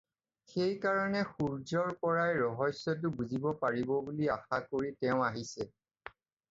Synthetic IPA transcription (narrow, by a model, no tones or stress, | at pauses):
xejkaɹɔnɛxuɹzɔɹpɔɹajɹɔɦɔsːɔt̬ʊbuzibɔpaɹibɔbuliaxakoɹitɛʊ̃aɦisɛ